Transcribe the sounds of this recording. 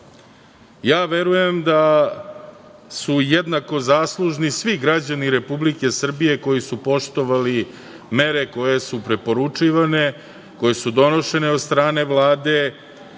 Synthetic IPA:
jaːʋeɾuje̞md̪a | sujed̪nako̞zaːslˠuʒnisʋiɡɾad͡ʑaniɾe̞publike̞sr̩bije̞ko̞jisupo̞ʃt̪o̞ʋali | me̞ɾeko̞je̞supɾepo̞ɾut͡ʂiʋane̞ | ko̞je̞sud̪o̞no̞ʃe̞neod̪st̪ɾaːne̞ʋlˠaːd̪e̞

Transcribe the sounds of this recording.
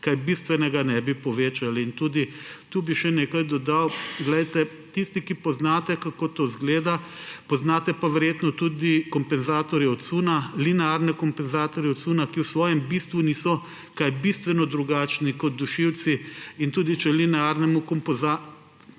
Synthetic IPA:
kajbist̪ʋɛnɛɡanɛbipɔʋeːt͡ʃaliint̪uːd̪it̪uːbiʃɛneːkajd̪ɔd̪awɡlɛjt̪ɛ | t̪ist̪ikipɔznaːt̪ɛkakot̪ozɡleːd̪apɔznaːt̪ɛpaʋɛɾjeːt̪nɔt̪uːd̪ikɔmpɛnzaːt̪ɔɾjɛɔt̪suːnalinɛaɾnɛkɔmpɛnzaːt̪ɔɾjɛɔt̪suːnakiwsʋɔːjɛmbist̪ʋuniːsɔ | kajbist̪ʋɛnɔd̪ɾuɡaːt͡ʃnikɔt̪̚d̪uʃiwt̪siint̪uːd̪it͡ʃɛlinɛaɾnɛmukɔmpza

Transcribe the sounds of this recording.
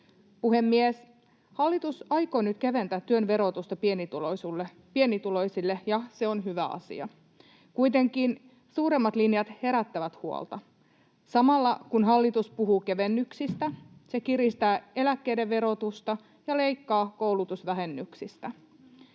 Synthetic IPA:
puhe̞mːies | hɑlːit̪usɑjko̞ːnyt̪keʋe̞nt̪æt̪ːyønʋe̞ɾo̞t̪ust̪ɑpienit̪ulosulːe | pienit̪ulo̞jsilːejɑse̞onɦyʋæ̰ɑ̰sḭɑ̰ | kujt̪e̞ŋkiːn | suːɾe̞mːɑt̪linjɑt̪he̞ɾæt̪ːæʋæt̪huo̰lˠt̪ɑ | sɑmɑlːɑkunɦɑlːit̪uspuɦuːke̞ʋe̞nːyksist̪æse̞kiɾist̪æːe̞lækːe̞jde̞ʋʋe̞ɾo̞t̪ust̪ɑ | jɑle̞jkːɑːko̞ulut̪usʋæɦenːyksist̪æ

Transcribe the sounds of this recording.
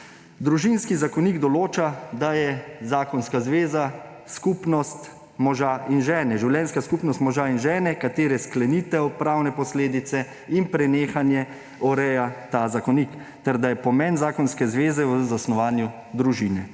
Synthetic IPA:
d̪ɾuʒinskizakɔniɡd̪ɔloːt͡ʃad̪ajɛzaːkɔnskazʋeːza | skupnɔst̪ | mɔʒainʒɛːnɛʒiwljɛnskaskupnɔst̪mɔʒaːinʒɛːnɛkat̪eːɾɛsklɛniːt̪ɛɔpɾaːwnɛpɔsleːd̪it̪sɛ | inpɾɛneːxanjɛ | ɔɾɛjat̪azakɔnik | t̪ɛɾd̪ajɛpɔmɛnzaːkɔnskɛzʋeːzɛwzasnɔʋaːnju | d̪ɾuʒiːnɛ

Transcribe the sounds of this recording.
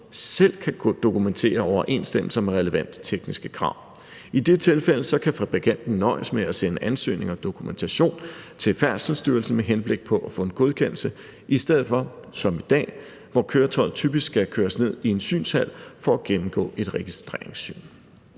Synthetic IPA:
sel̰kʰæɡ̥od̥o̝kument͡sʰe̝̰ːɐɒʊɐʔe̝ːnsd̥em̰l̩sɐmeʁɛləʋæn̰d̥t͡sʰeɡ̥nisɡ̥ə̥kʰʁɑ̈ʊ̰ | id̥e̝t͡sʰe̝lfel̰əsɒ̽kʰæfæb̥ʁiɡʰæn̰d̥n̩ːɒ̽ɪəsmeæsenəʔænsø̰ːne̝ŋɒ̽d̥o̝kʰument͡sʰæɕo̝̰ːnt͡sʰe̝lfæɐ̰sl̩sd̥yːɐl̩sn̩meɦenb̥le̝ɡ̥̚pʰɒ̽ʔæfɔ̽e̝nɡ̥o̝ð̞ˠkʰen̰l̩sə | ʔisd̥eð̰̩ˠfɒ̽sɒ̽mid̥ɛ̰ː | ʋɒkʰøːɐt͡sʰɒ̽ɪð̩ˠt͡sʰyb̥isɡ̥ɡ̥ækʰøːɐsne̝ð̞̰ˠie̝nsy̰ːnshæl̰fɒ̽æɡ̥emm̩ɡ̥ɔ̰̽ːe̝d̥ʁɛɡ̥isd̥ʁḛɐ̰eŋsːy̰ːn

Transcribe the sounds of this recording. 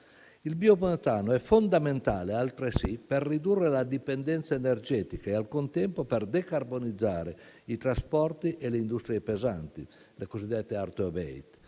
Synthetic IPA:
ilbioponet̪aːnoɛfond̪ament̪aːlealt̪ɾesiperːid̪urːelad̪ipend̪ɛnt̪saenerd͡ʒɛːt̪ikaealkunt̪ɛmpopɛrd̪ekarbonid̪zːaːɾeit̪ɾaspɔrt̪iʔɛleind̪ust̪ɾiepeza̰nt̪i | lekozid̪ːɛt̪ːeart̪obɛ̰ḭt̪

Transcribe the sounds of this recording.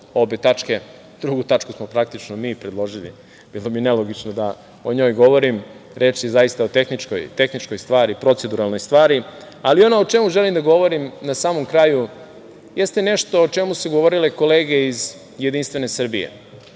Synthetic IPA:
o̞be̞t̪at͡ʃke̞ | d̪ɾuɡut̪at͡ʃkusmo̞pɾak̚t̪it͡ʃnomiːpɾed̪lˠo̞ʒilḭ | b̥iːlˠo̞binelo̞ɡit͡ʃnod̪a | oɲo̞ːjɡo̞ʋo̞ɾimɾet͡ʃjezaist̪aot̪e̞xnit͡ʃko̰jt̪e̞xnit͡ʃkojst̪ʋaːɾipɾo̞t̪sed̪uɾalˠno̞jst̪ʋaːɾi | alio̞noot͡ʃe̞muʒe̞limd̪aɡo̞ʋo̞ɾimnasaːmo̞mkɾaːju | jest̪ene̞ʃt̪o̞ːt͡ʃe̞musuɡo̞ʋo̞ɾileko̞leːɡe̞iz | jed̪inst̪ʋe̞ne̞sr̩bijḛ

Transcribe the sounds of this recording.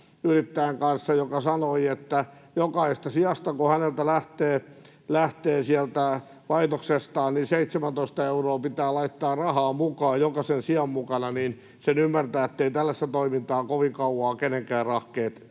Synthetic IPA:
yrit̪ːæeŋkɑnsːɑjokɑsɑnoiet̪ːæjokɑist̪ɑsiɑst̪ɑkohænelt̪ælæht̪eː | læht̪eːsiælt̪æ | ʋɑit̪oksest̪ɑːnninseit̪semænt̪oist̪ɑeuroːpit̪æːlɑit̪ːɑːrɑhɑːmukɑːjjokɑsensiɑmmukɑnɑnin | senymːært̪æːet̪ːeit̪ælːæsːæt̪oimint̪ɑːkoʋiŋkɑuwɑːkeneŋkæːrrɑhkeːt̪

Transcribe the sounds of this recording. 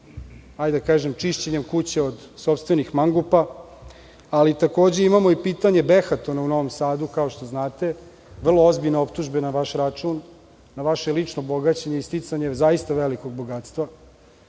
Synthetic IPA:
ajd̪akaːʒemt͡ʂiʃt͡ɕeɲe̞mkut͡ɕe̞od̪ | sopst̪ʋe̞nixmaŋɡupa | lit̪ako̞ːd͡ʑe̞imamo̞ipiːt̪aɲe̞be̞xat̪o̞nauno̞ʋo̞msaːd̪ukaoʃt̪o̞znaːt̪e̞ | ʋr̩lˠo̞o̞zbiʎneo̞pt̪uʒbe̞naʋaʃɾat͡ʂunː | aʋaʃelit͡ʂnobo̞ɡat͡ɕeɲeist̪it̪saɲezaist̪aʋeliko̞ɡ̚bo̞ɡaːt̪st̪ʋa

